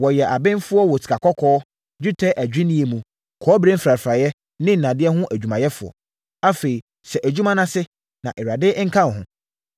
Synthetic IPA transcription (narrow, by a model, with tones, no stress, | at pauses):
wɔ˨jɛ˨ʔa˨bɪ̃˦nfʊ˦ɔ˦wɔ˨tʰi̥˨a˨kʰɔ˦kʰɔː˦ | d͡ʑᶣi˦tʰɛ˦ʔæ˨d͡ʑᶣɪ̃˦nĩ˦e˨mũ˨ | kʰɔː˨˦bɾe˦fɾa˨ɾfɾa˨jɛ˦ | nɪ̃˦n̩˨nã˨dɪ˦ɛ˦ɦʊ̃˦ʔæ˨d͡ʑᶣu˨mã˨jɛ˦fʊ˨ɔ̰˨ | a˦fe˨i˨ | sɛ˨ʔæ˨d͡ʑᶣu˦mã˦nã˦sɪ˦ | nã̰˨ʔɛ˨ɾa˨dɪ˦ŋ̩˦kʰã˦˨ɦʊ̃˨